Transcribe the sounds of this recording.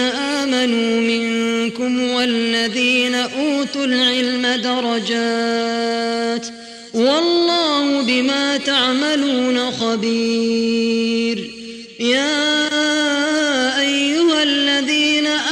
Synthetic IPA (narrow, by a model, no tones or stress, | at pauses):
aʔaːmanuːmɪŋkʊmwalːaðiːnaʔuːt̪ʊlʕɪlmad̪ɑɾˤɑd͡ʒaː | t̪ | wɑlˤːɑːhʊbɪmaːt̪aʕmaluːnaxɑbiː | ɾ | jaː | ʔajːʊhalːaðiːnaʔ